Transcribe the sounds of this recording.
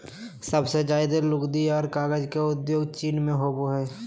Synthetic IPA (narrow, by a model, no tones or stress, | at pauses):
sɐbsed͡ʒaːɪd̪elʊɡd̪iɔːɾkaːɡəd͡ʒkeʊd̪joːɡt͡ʃiːnmẽɦoːboɦɛː